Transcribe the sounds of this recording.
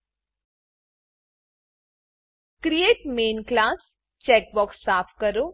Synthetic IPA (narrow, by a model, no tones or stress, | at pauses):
kɾijeːʈmeːnklaːs | t͡ʃeːk̚bɔːksːaːpʰkəɾoː